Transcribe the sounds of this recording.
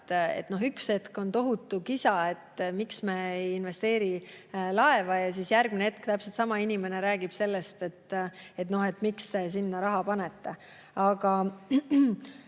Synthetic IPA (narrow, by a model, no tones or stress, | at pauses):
t̪ḛt̪ːˑno̞ɦykse̞t̪ko̞nt̪o̞ɦut̪ːˑukisɑe̞t̪ːmiksmeːejinve̞st̪e̞ːɾilɑe̞vɑjɑsisjærɡ̥mineet̪̚kt̪æpselt̪sɑmɑinʲime̞ne̞ɾæːɡ̥ib̥se̞lːe̞st̪e̞t̪ːe̞t̪no̞he̞t̪ːˑmikst̪e̞sinːɑɾɑɦɑpɑne̞t̪ːe̞ | ɑɡɑ